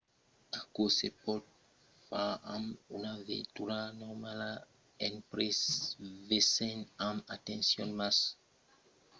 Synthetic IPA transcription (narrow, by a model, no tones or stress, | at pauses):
akosepɔt̚ | faamunavɛ̰tuɾanɔmala | ɛ̃npɾɛsvesɛ̃namatɛ̃nsjɔ̃nmas